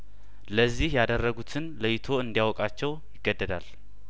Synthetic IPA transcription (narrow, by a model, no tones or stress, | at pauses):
ləzːihjad̪ərːəɡut̪ʰɨnləjɪt̪ʰo̞ɨnd̪ijawɔkʼat͡ʃːɛw | jɪɡ̥ːəd̪ːəd̪al